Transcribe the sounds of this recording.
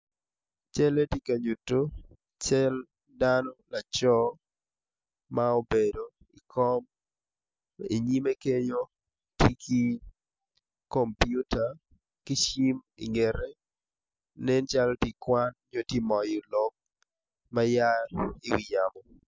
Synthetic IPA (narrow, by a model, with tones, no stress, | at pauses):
t͡ʃɛ˦le˦ti˦ka˨ɲu˨to˦ | t͡ʃɛ˦l | danɔ˦la˨t͡ʃɔ˦ | mao˦bedo | i˨kʰɔ˦m | ḛ˨ɲi˦me˦ke˦ɲo˦ | ti˦ki˦ | kɔmpju˦ta˨ | kɪ˦ʃi˦mḭ˨ŋɛ˨ɾɛ˦ | nɛ˦nt͡ʃalɔ˦ti˨kwa˦nɲo˦ti˦mɔ˨jɔlɔ˦k̚ | maja˦ɪ˦wi˨jamɔ˨